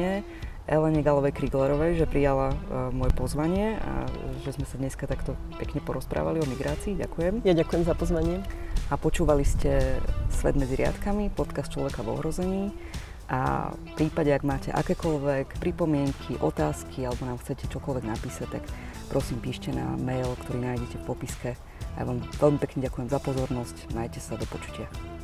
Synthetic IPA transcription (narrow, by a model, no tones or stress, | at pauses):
ɛ | ʔɛlɛɲɛɡalɔʋɛjkɾiɡlɛɾɔʋɛjʒɛpɾijalamɔjɛpɔzʋaɲɪɛ̰ | ʒɛzmɛsad̪ɲɛskat̪akt̪ɔpɛkɲɛpɔɾɔspɾa̰ːʋaliɔmiɡɾaːt͡siːɟa̰kujɛmjaɟakujɛmzapɔzʋaɲɪɛapɔt͡ʃuːʋaliscɛsʋɛ̰d̪mɛd͡ziɾɪa̰t̪kamipɔt̪kast̪t͡ʃlɔ̰ʋɛkaʋɔ̰ɦɾɔzɛɲiː | ʔa̰fpɾiːpaɟɛaɡmaːcɛ̰ʔa̰kɛːkɔlʋɛkpɾipɔmɪɛŋkʰiʔɔt̪aːskʰialɛbɔnaːmxt͡sɛcɛt͡ʃɔkɔlʋɛɡnapiːsac̚t̪ak | pɾɔsiːmpiːʃcɛna̰mɛjlkt̪ɔɾiːnaːjɟɛcɛfpɔpiskɛ | aja̰ʋaːmʋɛlmipɛkɲɛɟakujɛmzapɔzɔɾnɔscmajcɛsad̪ɔpɔt͡ʃu̥cɪa